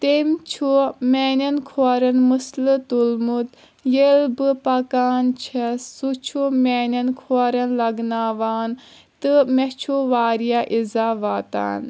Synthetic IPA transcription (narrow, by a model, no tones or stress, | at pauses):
t̪emt͡ʃʰumʲenɐnkʰoːɾɐnmɨslɨt̪ulmut̪ | jelbɨpɐkaːnt͡ʃʰɐsut͡ʃʰumʲeːnʲɐnkʰoːɾɐnlɐɡnaːʋaːn | t̪ɨmet͡ʃʰuʋaːɾijaʔizaːʋaːt̪a̰ːn